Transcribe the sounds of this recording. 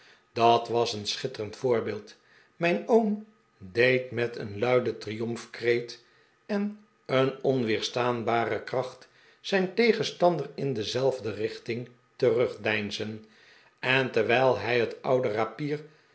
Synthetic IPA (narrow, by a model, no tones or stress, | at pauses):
d̥ɑtʋɑsənsχɪtərəntfʊːɹbɪːlˠt | mɛjnowm | dejtmɛtʰə̰nlœɥdətrijɔmfkrejt | ɛn | ənɔnʋɪːɹstaːnbaːrəkrɑχt | sɛjntejχənstɑndərɪndəzɛlˠvdərɪχtɪŋ | tərɵχdɛjnzən | ɛntəɹʋɛjlˠɦɛjɦətʌwdərapiːɹ